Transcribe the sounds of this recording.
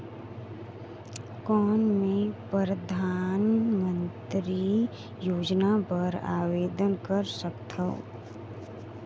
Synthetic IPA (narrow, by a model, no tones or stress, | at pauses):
kɔːnmẽpəɾəd̪ʱaːnmə̃nt̪ɾi | joːd͡ʒnapəɾa̰ːweːd̪ənkəɾsəkt̪ʰəo̰